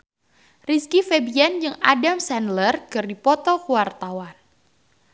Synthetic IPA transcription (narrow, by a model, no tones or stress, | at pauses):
riskifebiɛnd͡ʒɨŋadamsɛnlərkɨrdipɔt̪ɔkəwart̪awan